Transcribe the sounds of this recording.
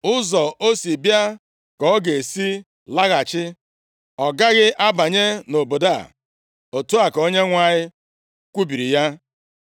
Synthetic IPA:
ʊ˦zɔ˨ʔo˦si˨bja˦ | kɔ˨ɔ˦ɡe˨si˦ | la˦ɣa˨t͡ʃɪ˦ | ɔ˨ɡa˦ɣɪ˦ʔa˦ba˨ɲe˦no˨bo˨da̰˦˨ | o˨tu˦a˨ko˦ɲe˦ŋʷa˨ɲɪ˦ | kʷu˦bi˨ɾi˨ja˦

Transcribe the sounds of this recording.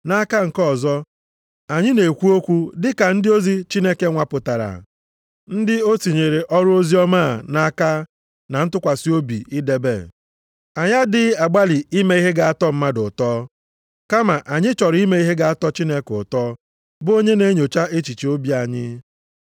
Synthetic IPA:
na˦ka˦ŋ̩˨kɔ˦˨zɔ˦ | a˨ɲɪ˦ne˨kʷu˦o˦kʷu˦dɪ˦ka˨n̩˦dɪ˦o˦zi˦t͡ʃi˦ne˦ke˦ŋʷa˦pʊ˨ta˨ɾa̰˨ | n̩˦dɪ˦o˦ti˨ɲe˨ɾe˨ʔɔ˦ɾʊ˦o˦zi˦ɔ˦ma˦˨na˦ka˦ | na˨n̩˦tʊ˦kʷa˨sɪ˦o˦bḭ˨i˦de˨bḛ˦˨ | a˨ɲa˦dɪ˦a˨ɡ͡ba˦li˨i˦me˦i˦ɦe˦ɡa˨a˦tɔ˦m̩˦ma˦dʊ˨tɔː˦ | ka˦ma˨ʔa˨ɲɪ˦t͡ʃɔ˨ɾi˦me˦i˦ɦe˦ɡa˦a˦tɔ˦t͡ʃi˦ne˦kʊ˨tɔː˦ | bʊ˦o˦ɲe˦ne˦ɲo˨t͡ʃa˦ʔe˦t͡ʃi˨t͡ʃi˨o˦bi˦a˨ɲɪ˦

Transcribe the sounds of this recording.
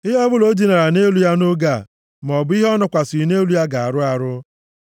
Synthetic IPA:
i˦ɦɔ˦bʊ˦lo˦di˨na˨ɾa˨ne˦lu˦ja˦no˦ɡa˦˨ | m˨ɔ˨bʊ˦i˦ɦɔ˦nʊ˨kʷa˨si˨ne˦lu˦ja˦ɡa˨a˨ɾʊ˦a˨ɾʊ˦

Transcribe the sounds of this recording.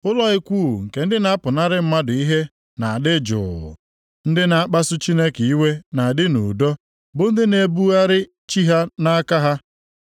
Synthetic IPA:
ʊ˦lɔ˦ɪ˦kʷu˦˨ŋ̩˨ke˨n̩˦dɪ˦na˦a˦pʊ˨na˦ɾɪ˦m̩˦ma˦dʊ˨i˦ɦe˦ | na˨a˨dɪ˦d͡ʒʊ̰˨ʊ̰˨ | n̩˦dɪ˦na˨a˦k͡pa˦sʊ˦t͡ʃi˦ne˦ke˨i˦we˦na˨a˨dɪ˦nṵ˨dɔ˦ | bʊ˨n̩˦dɪ˦ne˨bu˦a˦ɾɪ˦ | t͡ʃi˦ɦa˦na˦a˦ka˦ɦa˦

